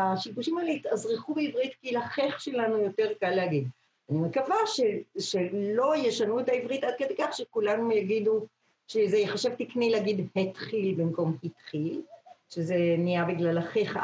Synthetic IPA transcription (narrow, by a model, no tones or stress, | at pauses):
aʃiɡuʃimalt̪azʁiχubeivʁitkilaχeχʃelanujo̞te̞ʁkalːeaɡid̪ | animekavaʃeʃelo̞jeʃanuetaivʁitʔad̪̚kede̞jkaχʃekulanujaɡidu | ʃezejeχaʃevt̪iknileaɡid̪het̪χilbimko̞mhitχilʃezenijabiɡlalaχeχ